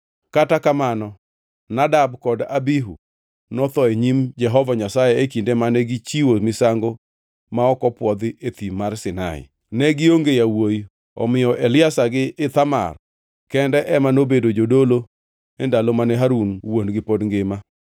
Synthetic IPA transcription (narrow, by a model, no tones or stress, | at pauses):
katakamanɔ | nadabkɔdabiɦu | nɔt̪ɔeɲimd͡ʒɛɦɔvaɲasajɛekindemanɛɡɪt͡ʃiwomɪsaŋɡo | maɔkɔpwɔd̪ɪet̪imarsɪna̰ɪ̰ | nɛɡɪoŋɡejawoji | ɔ̰mɪjɔʔelɪasaɡɪːt̪ama̰r | kɛndɛʔɛmanobedod͡ʒodolo | ɛndalomanɛɦaɾunwonɡɪpodŋɡɪma